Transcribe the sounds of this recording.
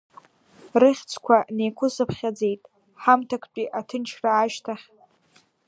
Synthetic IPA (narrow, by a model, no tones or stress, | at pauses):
rɨχʲt͡sʰkʷʰanejkʷʰʊsɨpʰχʲad͡ze̞jtʼ | ħamtʰakʷʰt͡pʼiʔatʰɨnt͡ʃʰraːʃtʰaχʲ